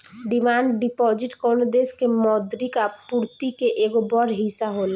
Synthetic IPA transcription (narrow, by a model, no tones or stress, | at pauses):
ɖɪmaːɳɖɖɪpɔːd͡ʒɪʈkɔːnod̪eːskemɔːd̪ɾikapuɾt̪ikeʔeːɡobɔɾɦisaɦoːla